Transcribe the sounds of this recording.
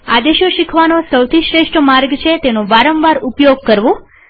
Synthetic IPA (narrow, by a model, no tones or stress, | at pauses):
a̰d̪eʃoʃikʰʋanosəwt̪ʰiʃɾeʃʈʰəmaɾɡt͡ʃʰet̪enoʋaɾəmʋaɾupjoɡ̚kəɾʋõ